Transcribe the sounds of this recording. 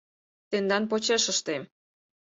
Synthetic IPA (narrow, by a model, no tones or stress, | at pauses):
t̪end̪ɑnpot͡ɕeʃəʃt̪em